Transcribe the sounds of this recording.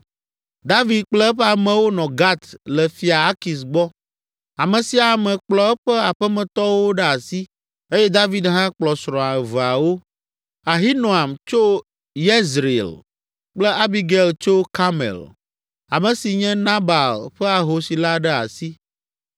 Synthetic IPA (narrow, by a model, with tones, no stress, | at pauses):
d̪a˦vi˨d̪̚k͡plɛ˦ɛ˦ɸɛ˦a˨mɛ̃˨wo˦nɔ̃˨ɡa˦t̪lə˨fi˨a˨a˦ki˨s̬ɡ͡bɔ˦ | a˨mɛ̃˨si˨a˨mɛ̃˨k͡plɔ˨ɛ˦ɸə˦a˨ɸɛ˦mɛ̃˨t̪ɔ˦wo˦ɖɛ˦a˨si˦ | e˦jɛ˦d̪a˦vi˦d̪ɦã˦k͡plɔ˨sɾɔ̃˨a˨va˨wo˦ | a˨ɦi˦nõ˨a˨mt͡ʃo˦ | je˦zɾei˨l | k͡plə˦ʔa˦bi˦ɡɛ˨lt͡ʃo˦ka˦mɛ̰˨l | a˨mɛ̃˨si˨ɲɛ̃˦nã˦ba˨lɸɛ˦a˨ɦo˨si˨la˦ɖɛ˦a̰˨si˦